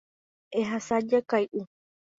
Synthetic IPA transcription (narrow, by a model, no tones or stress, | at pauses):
eɦasad͡ʒakajʔu